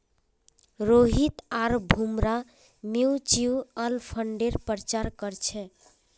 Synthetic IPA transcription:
ɾoɦit̪aɾbʱumɾa | miut͡ʃiuəlpʰəɳɖeɾpɾt͡ʃaɾkəɾt͡ʃʰɛ

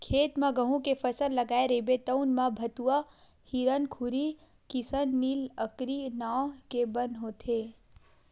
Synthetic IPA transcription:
kʰeːt̪mãɡəɦũkefəsəlləɡaːeɾebet̪əwnmãbʱət̪uʋa | hiɾənkʰuɾi | kɪsənːiːləkɾinakebənɦot̪ʰe

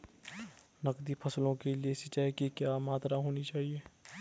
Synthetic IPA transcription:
nɐkd̪ipʰɐslõkeliesɪt͡ʃaːjkikjaːmaːt̪ɾaɦoːnit͡ʃaːɦieː

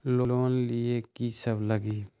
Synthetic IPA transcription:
loloːnliekisəbləɡi

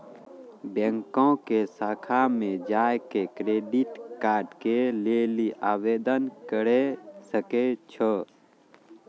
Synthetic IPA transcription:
bɛ̃ŋkõkesaːkʰamẽd͡ʒaːjkekɾeːɖiʈkaːɾɖkeleːliʔaːweːd̪ənkəɾesəket͡ʃʰə

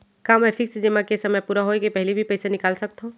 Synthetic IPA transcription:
kamɛpʰɪksd͡ʒemãkesɐməjpuːɾaɦoekepɛɦlibʱipɐjsenɪkaːlsɐk̚t̪ɦõ

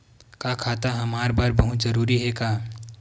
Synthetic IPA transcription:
kakʰaːt̪aɦɐmaːɾbaːɾbɐɦʊt̪zɐɾuːɾiɦɛkaː

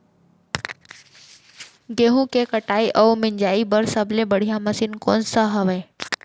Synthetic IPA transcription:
ɡeɦũkekəʈaːiʔɔːmɪ̃ɲd͡ʒaːibəɾsəbʱlebəɽ̤ijaməsinkɔ̰ːnsaɦəʋeː

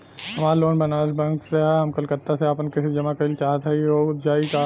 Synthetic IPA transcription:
ɦɐmaːɾloːnbɐnaːsbɛ̃ŋkseɦɛɦɐmkɐlkət̪ːaseapənkɪsid͡ʒɐmakɐilt͡ʃaːɦət̪ɦɛioːʊt̪d͡ʒaːika

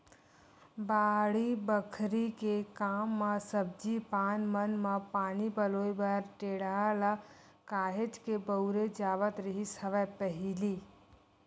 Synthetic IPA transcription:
baːɽibəkʰɾikekaːmːəsəb̚d͡ʒipaːnmənməpaːnipəloːibaɾʈeːɽala | kaːɦed͡ʒkebəwɾed͡ʒaːʋət̪ɾiɦisəʋɛpəɦili

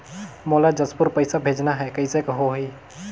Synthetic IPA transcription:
moːlad͡ʒəspʊɾpəɪsabʱeːd͡ʒnaɦɛkəisekəɦoɦi

